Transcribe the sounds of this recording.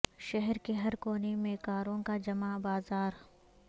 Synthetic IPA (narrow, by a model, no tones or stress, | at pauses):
ʃɛɦɛɾkeɦɐɾkoːnemẽkaːɾõkad͡ʒɐmabaːzaːɾ